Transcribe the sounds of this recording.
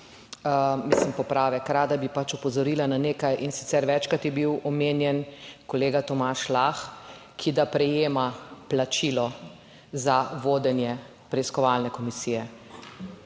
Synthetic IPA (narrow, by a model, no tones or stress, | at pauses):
əmislimpɔpɾaːʋɛkɾaːd̪abipat͡ʃupɔzɔɾiːlananeːkajʔinsi̥t̪sɛɾʋɛt͡ʃkɾat̪jɛbiwɔmenjɛnkɔleːɡat̪ɔmaːʃlaxkʰid̪apɾɛjeːmaplat͡ʃilɔ | zaʋoːd̪ɛnjɛ | pɾɛiskɔʋalnɛkɔmisijɛ